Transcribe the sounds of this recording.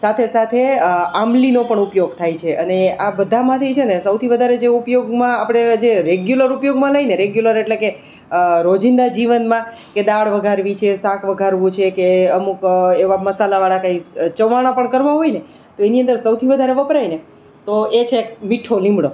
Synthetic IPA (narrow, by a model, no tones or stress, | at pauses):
sat̪ʰesat̪ʰeamlinopəɳupjoɡt̪ʰajt͡ʃʰeʔəneabəd̪ʱamãt̪ʰət͡ʃʰenesəwt̪ʰiʋəd̪ʱaɾed͡ʒeupjoɡmãapɽ̃ed͡ʒeɾeɡjuləɾupjoɡmãləineɾeɡjuləɾeʈleke | ɾod͡ʒind̪ad͡ʒiʋənmã | ked̪aɭʋəɡʱaɾʋit͡ʃʰesakʰʋəɡʱaɾʋũt͡ʃʰekeəmukeʋaməsalaʋaɭakait͡ʃəʋaɽ̃apəɳkəɾʋaɦoine | t̪oeniənd̪əɾsəwt̪ʰiʋəd̪ʱaɾeʋəpɾajne | t̪oet͡ʃʰeːkmiʈʰolĩmbɽo